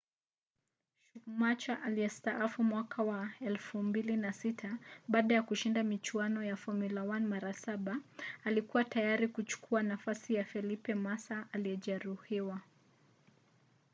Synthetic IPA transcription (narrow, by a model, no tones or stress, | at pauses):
ʃumat͡ʃaʔaliɛstaʔafumwakʰawaɛlfumbilinasitʰaɓaːɗajakuʃindamit͡ʃuanɔjafɔmilawanmaɾasaɓaːlikuwatajaɾikut͡ʃu̥kʰuanafasijafɛlipɛmasaʔaliɛʄɛɾuhiwa